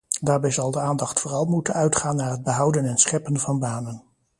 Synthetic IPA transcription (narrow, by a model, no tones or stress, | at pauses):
daːɹbɛjzɑlˠdəaːndɑχtfʊːrɑlˠmutənœɥtχaːnːaːɹɦəd̚bəɦʌwdənɛnsχɛpənvɑnbaːnən